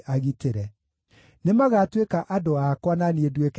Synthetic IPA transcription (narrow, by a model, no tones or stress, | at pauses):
aɣiteɾɛ | nemaɣatwekaʔadoakwananiedwek